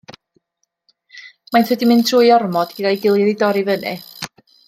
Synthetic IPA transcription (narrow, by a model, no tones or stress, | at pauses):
majnθwɛdimɨntʰruːjɔrmɔd̥ɡ̥ədajɡɪlˠjɪðidɔɾivənɛ̰